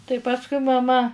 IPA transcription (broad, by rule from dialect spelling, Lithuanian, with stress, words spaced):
tɐɪ ˈpɑːskʊɪ mɐˈmɐ